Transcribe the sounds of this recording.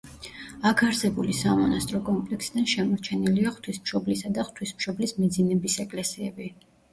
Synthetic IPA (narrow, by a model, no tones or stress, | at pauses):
akʰaɾsɛbulisamɔnast̪ʼɾɔkʼɔmpʼlɛksid̪anʃɛmɔɾt͡ʃʰɛniliaχt̪ʰwismʃɔblisad̪aχt̪ʰwismʃɔblismɛd̪zinɛbisɛkʼlɛsiɛbi